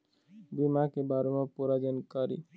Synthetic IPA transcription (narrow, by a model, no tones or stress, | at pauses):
bimakebaɾemapuɾad͡ʒɔnkɔɾḭ